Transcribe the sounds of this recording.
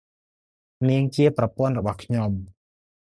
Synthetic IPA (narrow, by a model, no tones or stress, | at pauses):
niəŋt͡ɕiəprɑpŏənrɔɓɑhkʰɲom